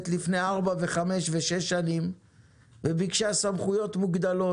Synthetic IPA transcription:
t̪lifne̞aʁbave̞χame̞ʃveʃe̞ʃːanim | bebikʃasamχujo̞t̪muɡd̪alo̞

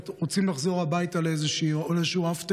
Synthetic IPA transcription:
tʁot͡simlaχzoʁabajt̪alejzeʃiːoleʃuːaft̪

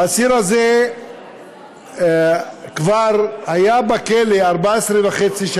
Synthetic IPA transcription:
asiʁaze | kvaʁhajabakeleaʁbaesʁevaχet͡siʃ

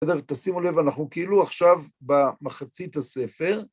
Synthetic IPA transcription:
ed̪eʁt̪asimulevanaχnukeiluaχʃavbamaχat͡sit̪hase̞fe̞ʁ

